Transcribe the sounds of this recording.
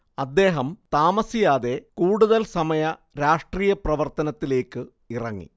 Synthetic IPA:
ɐd̪ːe̞ːɦɐmt̪aːmɐsijaːðe̞kuːɽuðɐlsɐmɐjɐɾaːʂʈriːjɐprɐʋɐrt̪ɐnɐt̪ːile̞ːkːɨ | irɐŋːḭ

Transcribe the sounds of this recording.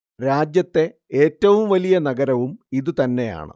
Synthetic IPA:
ɾaːd͡ʑjɐt̪ːe̞ | eːtːɐʋumʋɐlijɐnɐɡɐɾɐʋumiðɨt̪ɐnːe̞ja̰ːɳɨ̰

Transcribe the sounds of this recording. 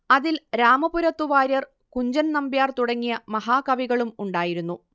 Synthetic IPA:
ɐðilɾaːmɐpuɾɐt̪ːuʋaːɾjɐr | kuɲd͡ʑɐnnɐmbjaːrt̪uɽɐŋːijɐmɐɦaːkɐʋiɣɐɭumuɳɖaːjiɾunːu

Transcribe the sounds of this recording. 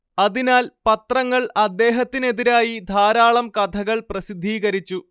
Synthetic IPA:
ɐðinaːlpɐt̪rɐŋːɐɭɐd̪ːe̞ːɦɐt̪ːine̞ðiɾaːjid̪ʱaːɾaːɭɐmkɐd̪ʱʰɐɣɐɭprɐsid̪ʱːiːɣɐɾit͡ɕːu

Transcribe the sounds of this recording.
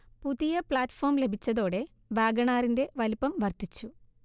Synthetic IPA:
puðijɐpɭaːtfo̞ːrmle̞bʱit͡ɕːɐðo̞ːɽe̞ | ʋaːɡɐɳaːɾinde̞ʋɐlpːɐmʋɐrt̪it͡ɕːu

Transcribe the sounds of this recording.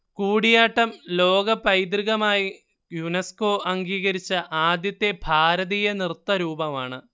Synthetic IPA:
kuːɽijaːʈːɐmlo̞ːɡɐpɐjd̪riɣɐmaːji | junɐsko̞ːʔɐŋɡiːɣɐɾit͡ɕːɐʔaːd̪jɐt̪ːe̞bʱaːɾɐðijɐnirt̪ːɐɾuːbɐmaːɳɨ

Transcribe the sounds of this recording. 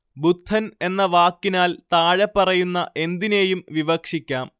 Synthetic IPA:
but̪ːɐne̞nːɐʋaːkːinaːlt̪aːɻɐpːɐrɐjunːɐʔe̞nd̪ine̞ːjumʋiʋɐkʂikʲːaːm

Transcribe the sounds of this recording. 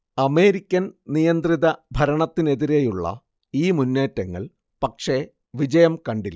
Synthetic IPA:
ɐme̞ːɾikʲːɐnnijɐnd̪riðɐbʱɐɾɐɳɐt̪ːine̞ðiɾejuɭːɐ̰ | iːmunːeːtːɐŋːɐ̰ɭ | pɐkʂe̞ | ʋid͡ʑɐjɐmkɐɳɖilːɐ

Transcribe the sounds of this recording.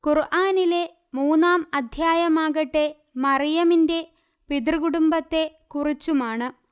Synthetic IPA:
kurʔaːnile̞ | muːnːaːmɐd̪ʱjaːjɐmaːɣɐʈːe̞ | mɐrijɐminde̞ | pid̪rɨɣuɽumbɐt̪ːe̞ | kurit͡ɕːumaːɳɨ

